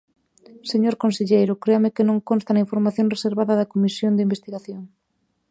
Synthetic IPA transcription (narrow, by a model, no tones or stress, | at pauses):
seɲoɾkonseʎejɾʊkɾeamɪkɪnõŋkõnst̪anɐiɱfoɾmaθjõŋreseɾβaðɐðɐkomisjond̪ɪimbest̪iɣaθjoŋ